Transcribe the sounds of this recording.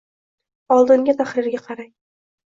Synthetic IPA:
ɒlˠd̪ɪŋɡʲat̪ʰaχɾɪɾɡʲaqʰɑɾaj

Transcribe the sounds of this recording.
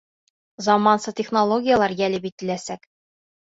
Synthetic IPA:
zɑmɑnsɤtʲeχnolˠoɡʲɪjalˠɑɾjælɘ̆bit̪ːɘ̆læsæk

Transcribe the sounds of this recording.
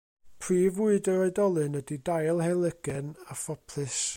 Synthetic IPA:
pʰriːvuɨdəɾɔɨdɔlˠɨnədidajlˠhɛlˠəɡ̥ɛnafɔpʰlˠɨs

